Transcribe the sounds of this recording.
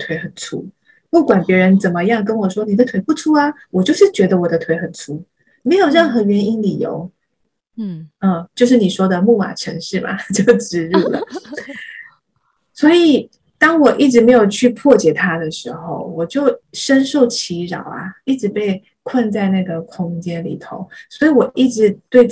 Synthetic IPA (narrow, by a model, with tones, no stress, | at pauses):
t̪ʰwe˧˥ɪxə˨˩nt͡sʰṵ˥˩ | pu˥˩kwa˨˩npjɛ˧˥ɻə˧˥nt͡sə˨˩nmə˦jɑ˥˩ŋk̬ə˥nwɔ˨˩ʂwɔ˥ni˨˩d̪ə˦t̪ʰwe˧˥ɪpu˥˩ʈ͡ʂʰu˥a˧wɔ˨˩t͡ɕjo˥˧ʊʂɻ̩˥˩t͡ɕɥɛ˧˥d̪ə˧wɔ˨˩d̪ə˦t̪ʰwe˧˥ɪxə˨˩nt͡sʰu˥ | me˧˥ɪjo˨˩ɻə˥˩nxɤ˧˥ɥɛ˧˥ni˥nli˨˩jo̰˧˥˦ʊ | ə˥˧t͡ɕjo˥˧ʊʂ̬ɻ̩˥˩ni˨˩ʂwɔ˥d̪ə˨mu˥˩ma̰˨˩ʈ͡ʂʰə˧˥ŋʂɻ̩˥˩ma̰˩t͡ɕjo˥˩ʊʈ͡ʂɻ̩˥ɻu˥˩lə̰˩ | swɔ˧˥i˨˩˦ | t̪ɑ˥ŋwɔ˨˩ʔi˥˩ʈ͡ʂɻ̩˧˥me˧˥ɪjo˨˩ʊt͡ɕʰy˥˧pʰwɔ˥˩t͡ɕjɛ˨˩t̪ʰa˥d̪ə˨ʂɻ̩˧˥xo˥˩ʊwɔ˨˩t͡ɕjo˥˩ʊʂə˥nʂo˥˩ʊt͡ɕʰi˧˥ɻɑ̰˨˩ʊɐ̰˦i˥˩ʈ͡ʂɻ̩˧˥pe˥˧ɪ | kʰwa˥˧nt͡sa˥˧ɪna˥˩ɡə˩kʰʊ˥ŋt͡ɕjɛ˥nlḭ˨˩t̪ʰo̰˧˦ʊswɔ˧˥i˨˧˥wɔ˨˩ʔi˥˩ʈ͡ʂɻ̩˧˥˦t̪we˥˩ɪ